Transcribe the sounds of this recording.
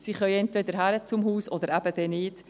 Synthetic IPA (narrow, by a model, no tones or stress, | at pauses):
siχœʏɛntvɛd̪əɾɦæɾət͡sʊmhuːsɔd̪əɾæbədɛnɪːt